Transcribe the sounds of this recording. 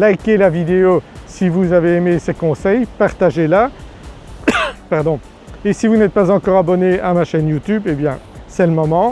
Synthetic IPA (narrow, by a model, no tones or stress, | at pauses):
lajkelavid̪eosivuzaveemesekɔ̃sɛjpaʁt̪aʒela | paʁd̪ɔ̃ | esivunɛt̪̚pazɑ̃kɔʁabɔneamaʃɛnjut̪ybebjɛ̃ | sɛləmɔmɑ̃